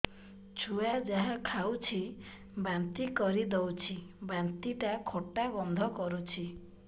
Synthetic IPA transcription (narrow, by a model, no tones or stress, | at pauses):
t͡ʃʰujad͡ʒaɦãkʰawt͡ʃʰi | bant̪ikɔɾid̪ɔwt͡ʃʰibant̪iʈakʰoʈabɔnd̪ʱɔkɔɾut͡ʃʰi